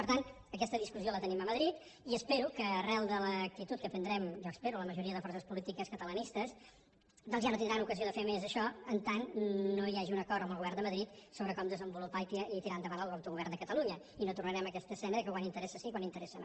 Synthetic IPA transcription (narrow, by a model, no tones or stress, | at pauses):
pəɾt̪ant̪ | əkɛst̪əðiskusiolət̪əniməməðɾit̪ | iəspeɾukəːrɛlˠd̪ələk̚t̪it̪ut̪̚kəp̪ənd̪ɾɛmʒɔəspeɾuləməʒuɾiəðəfɔrsəspulit̪ikəskət̪ələnist̪əs | d̪ɔnzʒjanot̪ind̪ɾanukəzioðəfemezəʃɔənt̪annojaʒiunəkɔrɾt̪əmbəlˠɣuβɛrnd̪əməðɾit̪soβɾəkɔmd̪əzəmbulupait̪it̪iɾand̪əβanəlˠawt̪uɣuβɛrnd̪əkət̪əluɲə | inot̪urnəɾɛməkɛst̪əsɛnəðəkəkwanint̪əɾɛsəsikwanint̪əɾɛsən̰